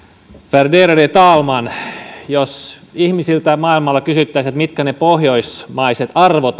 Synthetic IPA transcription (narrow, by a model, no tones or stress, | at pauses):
ferdeːɾodet̪ɑːlmɑnjos | ihmisilt̪æmɑilmɑlːɑkysyt̪ːæisæt̪mit̪kænepohjoismɑiset̪ɑrʋot̪